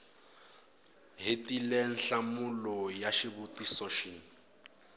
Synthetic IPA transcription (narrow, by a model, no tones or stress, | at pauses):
ɦitilɛn̩ɬamulɔjaʃiβutisɔʃi